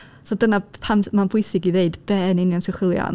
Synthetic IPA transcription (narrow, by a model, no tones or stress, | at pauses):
sɔdənapʰammanbʊɨsɪɡiðeɨdb̥ɛːnɪnjansɪχɪlˠja̰n